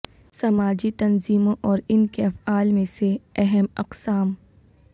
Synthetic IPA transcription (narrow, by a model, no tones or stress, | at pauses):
sɐmaːd͡ʒit̪ɐnziːmõʔɔːɾɪnkeɐfaːlmẽseɛɦɛmɐqsaːm